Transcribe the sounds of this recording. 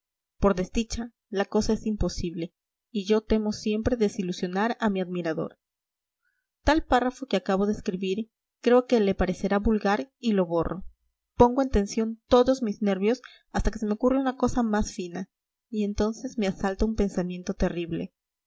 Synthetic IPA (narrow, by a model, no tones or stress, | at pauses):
po̞ɾðe̞zd̪it͡ʃa | lako̞sae̞simpo̞siβle̞ | iʝo̞t̪e̞mo̞sje̞mpɾe̞ðe̞silusjo̞naɾamiaðmiɾaðo̞̰ɾ | t̪alparafo̞keakaβ̞o̞ðe̞ːskɾiβiɾ | kɾe̞o̞ke̞le̞paɾe̞se̞ɾaβulɣaɾilo̞βo̞rʔo̞̰ | po̞ŋɡoent̪e̞nsjo̞nt̪o̞ðo̞zmizne̞ɾβjo̞s | ast̪ake̞se̞me̞o̞kureunako̞samasfina | ie̞nt̪o̞nse̞zme̞asalt̪oumpe̞nsamje̞nt̪o̞t̪e̞riβle̞̰